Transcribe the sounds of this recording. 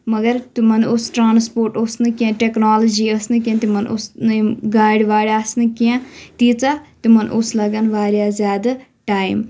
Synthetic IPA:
mɐɡəɾt̪mɐnosʈɾaːnspoːɾʈosnɨkiãːʈeːknaːləd͡ʒiːɐsnɨkjãːt̪imɐnʔʊ̰snɡaːɽʋaːɽjaːsnɨkijãːt̪iːt͡saːt̪imɐnʔoslɐɡənʋaːɾjaːzjaːd̪aʈaːim

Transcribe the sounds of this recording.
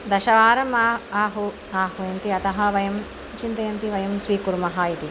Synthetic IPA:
d̪ɐʃɐʋaːɾɐmaːaːɦu | aːɦujɐnt̪iɐt̪ɐɦɐʋɐjɐm | t͡ʃint̪ɐjɐnt̪iʋɐjɐmsʋiːkuɾmɐɦɐit̪i

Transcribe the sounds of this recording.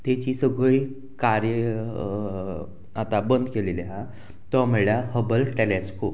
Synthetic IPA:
t̪et͡ɕisəɡəi | kaɾjə | at̪abənd̪ʱkeleleɦa | t̪ɔm̤əɭjaɦəbəlʈelɛskop

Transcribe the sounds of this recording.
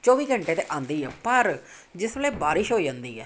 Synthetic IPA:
t͡ʃɔːʋiːɡʱəɳʈeːt̪eːʔãːnd̪iːɦɛːpəɾ | d͡ʒɪsʋleːbaːɾɪʃɦoːiːd͡ʒãːnd̪iːɦɛː

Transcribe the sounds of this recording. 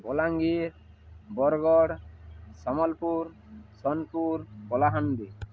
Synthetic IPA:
bɔlaŋɡiɾ | bɔɾɡɔɽsɔmɔlpuɾ | sɔnpuɾkɔlaɦand̪i

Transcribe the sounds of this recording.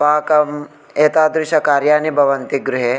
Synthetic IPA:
aɦɐkɐm | eːt̪aːd̪ɾɪʃɐkaːɾjaːnibʱɐʋɐnt̪iɡɾʊɦe

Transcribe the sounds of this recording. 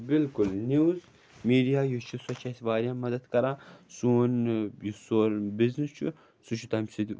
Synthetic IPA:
bɪlkʊlniwz | miːɖijaːjut͡ʃʰuswɐt͡ʃʰɐjsʋaːɾjaːmːɐd̪ɐd̪kɐɾaːsuːnjusoːɾbɪznist͡ʃʰṵ | sut͡ʃʰut̪ɐmsid̪

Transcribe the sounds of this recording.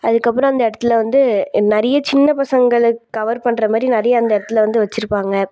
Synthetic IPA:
ɐðɯkːɐpːɯɾõɐnd̪ɐɛɽɐt̪ːɪlʋɐnd̪ɯnɛɾɐjɐt͡ʃɪnːɐpɐsɐŋɡɐɭɯkːɐʋɐɾpɐɳːɾɐmaːd̪ɾinɐɾɐjɐːnd̪ɐɛɽɐt̪ːɯlʋɐnd̪ɯʋɐt͡ʃːɪɾɯpːaːŋɡɐ

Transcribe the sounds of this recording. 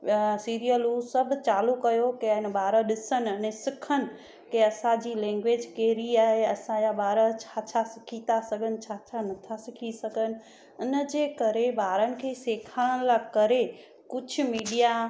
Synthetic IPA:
siːɾijəlusɐbʱt͡ɕaːlukɐjokeəɪnə̆ɓaːɾəɗɪsənɪ̆ɐnẽsɪkʰənɪ̆ | keɐsãd͡ʑiːlɛ̃ːŋɡʋeːd͡ʑkeːɾiaːɦeɐsãjaɓaːɾət͡ɕʰat͡ɕʰasɪkʰit̪asɐɡʱənɪ̆t͡ɕʰaːt͡ɕʰanɐt̪ʰasɪkʰisɐɡʱənɪ̆ | ʊnə̆d͡ʑeːkɐɾeɓaːɾənɪ̆kʰeːseːkʰaːɽəɽ̃lakɐɾe | kʊd͡ʑ̆ʱʰmiːɗija

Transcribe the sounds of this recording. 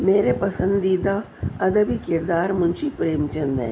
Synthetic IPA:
meːɾepɐsə̃nd̪iːd̪a | ɐd̪əbikɪɾd̪aːɾmʊ̃nt͡ʃipɾeːmt͡ʃɐ̃nd̪ɛ̰̃ː

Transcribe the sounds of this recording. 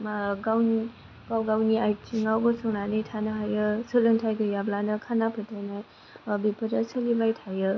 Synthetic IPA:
maɡawn | pawɡawniajtʰiŋawɡɯsɔŋnanɯjtʰanɯɦajɯsɯlɯŋtʰajɡɯjablanɯkʰanapʰɯtʰajnaj | bipʰɯdasɯlibajtʰajɯ

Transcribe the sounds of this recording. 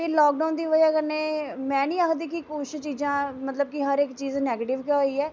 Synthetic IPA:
eːlɔːk̚ɖaːnd̪iːʋəd͡ʒaːkənːeːmɛ̃ːnĩːaːkd̪iːkɪkʊʃt͡ʃiːzãːmət̪ləb̚kɪɦəɾɪkt͡ʃiːznɛːɡeːʈɪʋkeoːiːɛː

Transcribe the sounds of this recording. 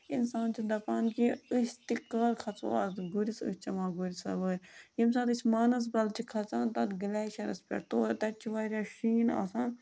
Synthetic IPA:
insaːnt͡ʃʰid̪ɐpaːnkiɨsʲt̪ikːaːɾkʰɐt͡so̰aːt̪ɡuɾisɨ̰st͡ʃɐmaːɡuɾisɐ̰ʋəːɾʲjimsaːt̪ɨsʲmaːnɐs̬bɐlt͡ʃʰikʰɐt͡saːnt̪ɐt̪ɡəlaːʃɐɾɐ̰spʲɐ̰ɾt̪oːɾt̪ɐt͡ʃʰiʋaːɾʲaːʃiːna̰sãːn

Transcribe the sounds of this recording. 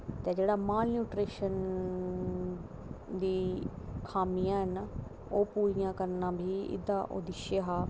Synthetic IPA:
t̪eːd͡ʒeːɽaːmaːlnuːʈɾeːʃən | d̪iːkʰaːmijãːɦɛna | oːpuːɾɪjãːkəɾnãːbʱiːɪ̰d̪ãːʔo̰d̪ɪʃeɦaː

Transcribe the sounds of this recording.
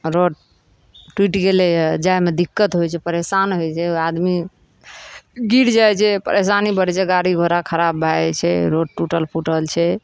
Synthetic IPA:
ɾoɖ | ʈwiʈkeled͡ʒajmed̪ikːət̪ɦojt͡ʃʰɛpəɾesanɦojt͡ʃʰɛad̪mi | ɡiɾd͡ʒajt͡ʃʰɛpə̰ɾʔesanibəɽt͡ʃʰɛɡaɽiɡʱoɾakʰəɾabːʱaɛt͡ʃʰɛ̰ɾoɖʈuʈəlpuʈəlt͡ʃʰɛ

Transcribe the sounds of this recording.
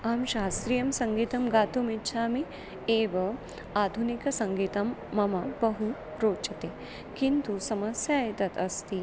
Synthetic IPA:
amʃaːst̪ɾijɐmsɐŋɡiːt̪ɐmɡaːt̪umitːt͡ʃʰaːmi | eːʋɐ | aːd̪ʱunikɐsɐŋɡiːt̪ɐmːɐmabɐɦu | ɾoːt͡ʃɐt̪eː | kint̪usɐmɐsjaːjt̪ɐt̪ʰɐst̪i

